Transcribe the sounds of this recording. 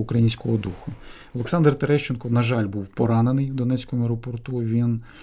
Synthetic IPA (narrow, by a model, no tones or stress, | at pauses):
ukɾɐjinʲsʲkɔɦɔd̪uxʊ | ɔlˠeksɑnd̪rt̪eɾɛʃt͡ʃenkɔnɐʒɑlʲbuwpɔɾɑnenɪjwd̪ɔnɛt͡sʲkʊmʊeɾɔpɔrt̪uʋʲin